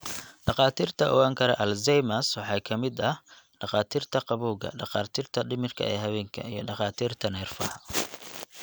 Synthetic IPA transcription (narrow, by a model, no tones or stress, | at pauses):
ɖɑqɑːt̪ʰiːrt̪ʰɐʔɔ̰waːŋkʰɐɾɛʔɐlzɛjmɐswɑħɑːkʰɐmɪd̪ɐh | ɖɑqɑːt̪ʰiːrt̪ʰɐqɑβuːɣɐ̰ɖɑqɑːrt̪ʰiːrt̪ʰɐɖɪmɪrkʰɐ̰ɛ̰ːɦɐβɛːŋkʰɐ̰ijɞɖɑqɑːt̪ʰiːrt̪ʰɐnɛːrfɐhɐ